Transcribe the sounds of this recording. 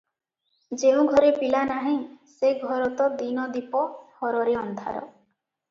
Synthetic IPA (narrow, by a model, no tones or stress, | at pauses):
d͡ʒeũɡʱɔɾepilanaɦĩseɡʱɔɾɔt̪ɔd̪inɔd̪ipɔhɔɾɔɾeɔnd̪ʱa̰ɾɔ̰